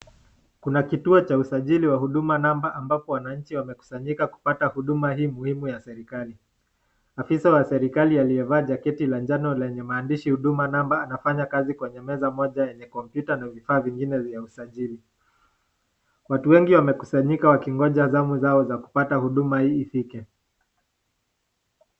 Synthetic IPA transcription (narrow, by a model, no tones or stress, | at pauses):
kunakituɔt͡ʃausaʄiliwaɦuɗumanambaʔambapɔwanaɲ̩t͡ʃiwamɛku̥saɲikaku̥patahuɗumahiːmuhimujasɛɾikali | afisawasɛɾikalialijɛvaːʄakɛtiland͡ʒanɔlɛɲɛmaːndiʃihuɗumanambaːnafaɲakazikwɛɲɛmɛzamɔʄajɛɲɛkɔmpjutanavifaːviŋɡinɛvjausaʄili | watuwɛŋɡiwamɛku̥saɲikawakiŋɡɔʄazamuzaɔzaku̥patahuɗumahiːfikɛ